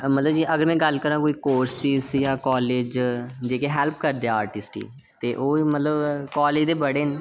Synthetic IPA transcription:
mət̪ləbd͡ʒiːʔəɡəɾmɛ̃ːɡəlkəɾãːkoːiːkoːɾsisjãːkɔːleːd͡ʒd͡ʒeːkeːɦɛːlpkəɾd̪eaːaːɾʈɪsʈḭː | t̪eːʔoːmət̪ləbkɔːleːd͡ʒd̪eːbəɽeːn

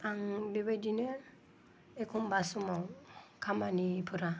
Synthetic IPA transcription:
aŋbibedinə | ekumbasumoŋkʰamanipʰuɾa

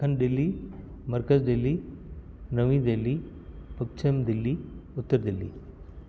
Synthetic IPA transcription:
ənɖilːi | məɾkəzɖelːi | nəʋĩd̪elːi | pəkt͡ʃʰɐmd̪ilːiut̪ːəɾd̪ilːḭ

